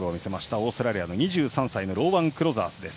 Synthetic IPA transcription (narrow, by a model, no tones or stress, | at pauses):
ɯomʲise̞maɕi̥t̪ao̞ːsoɾaɾʲiano̞ɲ̟iʑɨːsãɰ̃saino̞ɾo̞ːbãŋkɯɾo̞za̰ːsɨd̪e̞sɨ̥